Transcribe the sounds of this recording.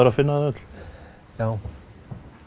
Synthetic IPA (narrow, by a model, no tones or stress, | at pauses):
aɾafɪnːaðœt̪l̥ | jaːw